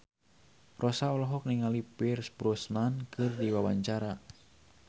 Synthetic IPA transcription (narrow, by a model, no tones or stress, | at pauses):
rʔɔsaɔlɔɦɔk̚niŋalipirsbɾusnankʰɨrdiwawaɲt͡ʃaɾa